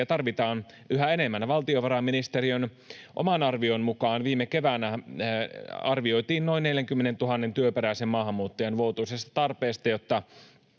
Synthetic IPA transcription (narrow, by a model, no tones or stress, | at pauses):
ɑt̪ɑrʋit̪ɑːn | yɦæe̞nemːænæʋɑlt̪ioʋɑɾɑmːinist̪eɾiøn | ʔo̰mɑnɑrʋionmukɑːnʋiːmekeʋænæ | ɑrʋio̞jt̪iːnno̞inneljæŋkymːenent̪uɦɑnːent̪yøpeɾæisemmɑːɦɑmːuːt̪ːojɑnʋout̪uisest̪ɑ̥t̪ɑrpeːst̪ɑjot̪ːɑ